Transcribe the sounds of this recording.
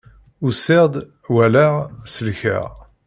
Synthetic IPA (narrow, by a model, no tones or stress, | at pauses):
usɪʁd̪ | wælæʁsəlçə̰ʁ